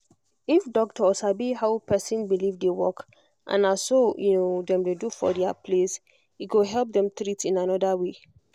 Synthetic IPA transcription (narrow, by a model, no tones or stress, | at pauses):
ifdɔk̚tʰɔsabiɦaʊpʰɛsĩnbilivdewɔk | ʔã̰nasojunodɛ̃mdedufɔ̰dɛapʰles | iɡoɦɛlp̚dɛ̃mtɾitĩnanɔdawe